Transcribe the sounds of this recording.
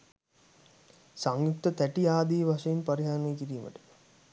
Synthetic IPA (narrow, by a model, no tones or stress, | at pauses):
saŋjukt̪ət̪æʈijaːd̪iːʋaʂɐjinpaɾiɦaɾənejkiɾiːmə̰ʈə̥